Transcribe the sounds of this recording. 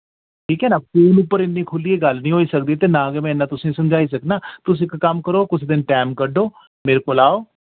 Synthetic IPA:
ʈʰiːkɦɛːnaːpuːnʊpːəɾɪnːĩːkʰʊlieːɡəlnĩːɦoːiːsək̚d̪it̪eːnãːɡeːmɛ̃ːɪnːãːt̪ʊsĩːsəmd͡ʒaːiːsəknaːt̪ʊs̬ɪkːəmkəɾoːkʊt͡ʃʰd̪ɪnʈɛːmkəɖoː | meːɾekoːlaːoː

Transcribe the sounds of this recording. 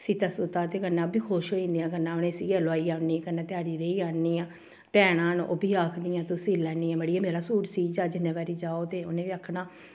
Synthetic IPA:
siːt̪əsʊt̪aːt̪eːkənːãːbiːkʰoːʃɦoːĩːnd̪ijãːkənːãːʊnẽːsiːɡaːloaːiːaːʊnːĩːkənːãːt̪ɪaːɽiːɾəiːaːnːiːãː | pɛːɽ̃ãːnʔo̰ːbiːaːkʰd̪ijãːt̪ʊsĩːlɛːniːãːməɽiːãːmeːɾaːsuːɾsiːd͡ʒaːd͡ʒɪnːẽːbaːɾiːd͡ʒaːoːt̪eːʊnẽːʋiːəkʰːnaː

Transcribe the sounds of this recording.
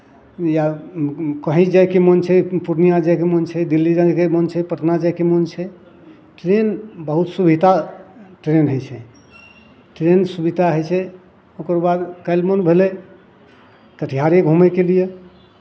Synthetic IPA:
ja | kəɦĩd͡ʒajkemənt͡ʃʰɛpuɾnijad͡ʒajkemənt͡ʃʰɛd̪ilːid͡ʒakemənt͡ʃʰɛpəʈʰnad͡ʒakemənt͡ʃʰɛ | ʈɾenbəɦut̪subʱit̪aʈɾenɦəjt͡ʃʰɛ | ʈɾensubit̪aɦəjt͡ʃʰɛ | okəɾbad̪kəlmənbʱele | kəʈʰijaɾeɡʱumɛkelije

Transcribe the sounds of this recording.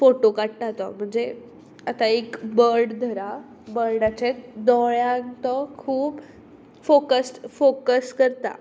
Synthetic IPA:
foʈokaɽʈat̪ɔ̰m̤əɳd͡ze | at̪aekbəɾɽd̪ʱəɾa | bəɾɖat͡ɕet̪d̪ɔɭjant̪ɔkʰuːb | fokəsfokəskəɾt̪a̰

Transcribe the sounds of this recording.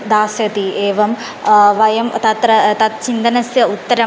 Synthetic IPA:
d̪aːsjɐt̪ieːʋɐm | ʋɐjɐmt̪ɐt̪ɾɐt̪ɐt̪t͡ʃind̪ɐnɐsjɐut̪ːɐɾɐ

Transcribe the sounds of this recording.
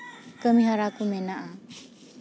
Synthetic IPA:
kəmiɦaɾakumɛnaʔa

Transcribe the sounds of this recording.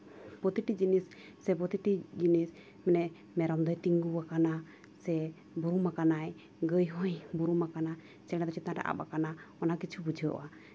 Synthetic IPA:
pɔt̪iʈid͡ʒinis | sɛbɔt̪iʈid͡ʒinis | mɛnɛ | mɛɾɔmd̪ɔjt̪iŋɡuwakana | sɛ | buɾumakanaj | ɡəjɦɔ̃jbuɾumakana | t͡ʃɛɽɛ̃d̪ɔt͡ʃit̪ãʈa̰ʔa̰ba̰kanaɔnakit͡ʃʰubud͡ʒʱiɔ̰ʔa

